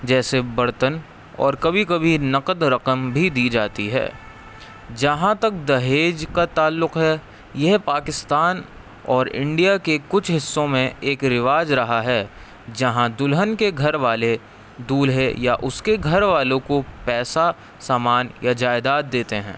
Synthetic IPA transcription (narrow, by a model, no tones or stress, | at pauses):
d͡ʒɛːsebɐɾt̪ən | ɔ̰ːɾkɐbʱikɐbʱinɐqəd̪ɾɐqəmbʱid̪iːd͡ʒaːt̪iɦɛ̰ː | d͡ʒɐɦãt̪ɐk̚d̪ɐɦeːd͡ʒkat̪aːlːʊqɦɛ | jɛɦpaːkɪst̪aːn | ɔːɾɪ̰̃ɳɖijakekʊt͡ʃʰɦɪsːõmẽeːkɾɪʋaːd͡ʒɾɐɦaɦɛ | d͡ʒɐɦãd̪ʊlɦənkeɡʱɐɾʋaːle | d̪uːlɦejaʔʊskeɡʱɐɾʋaːlõkopɛːsa | saːmaːnjad͡ʒaːɪd̪aːt̪̚d̪eːt̪eɦɛ̰̃ː